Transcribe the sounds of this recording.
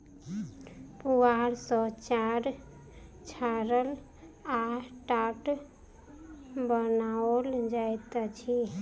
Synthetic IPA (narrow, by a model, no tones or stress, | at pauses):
puaɾsɔt͡ʃaɾ | t͡ʃʰaɾəl | aʈaʈ | bənaold͡ʒajt̪t͡ʃʰi